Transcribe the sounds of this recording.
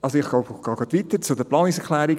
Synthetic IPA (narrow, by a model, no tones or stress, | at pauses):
ʔɑlsoɪχɡ̥loʊbɡ̥ɑːɡɑt̪ʋit̪ət͡sʊdəplɑːnɪsɛkʰlæːɾi